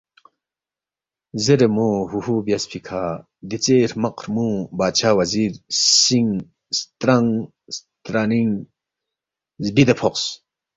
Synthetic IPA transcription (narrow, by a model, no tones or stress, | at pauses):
zeɾəmuɦuhubjaspʰikʰa | d̪it͡seɾmɐqʰɾmubat͡ʃʰawaziɾsiŋ | st̪ɾaŋ | st̪ɾaniŋ | zbid̪apʰɔqs